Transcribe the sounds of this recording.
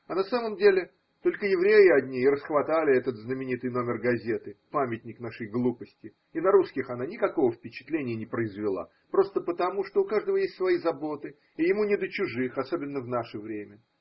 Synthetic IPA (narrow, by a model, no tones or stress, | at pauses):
ɐnɐsaməmdʲelʲɪ | t̪o̞lʲkəjɪvɾʲejɪɐdʲnʲiːɾəsxvɐt̪alʲɪɛt̪ət̪znəmʲɪnʲit̪ɨjno̞mʲɪrɡɐzʲe̞t̪ɨpamʲɪtʲnʲɪknaʂəjɡlˠupəsʲtʲɪ | ɪnɐɾuskʲɪxɐnanʲɪkɐko̞vəfpʲɪt͡ɕɪ̥t̪lʲenʲɪjənʲɪpɾəɪzvʲɪlˠa̰ | pɾo̞st̪əpət̪ɐmuʂt̪oʊkaʐd̪əvəjesʲt̪ʲsvɐjizɐbo̞t̪ɨ | ɪjɪmunʲɪd̪ət͡ɕʊʐɨxɐso̞bʲɪnːəvn̪aʂəvɾʲemʲə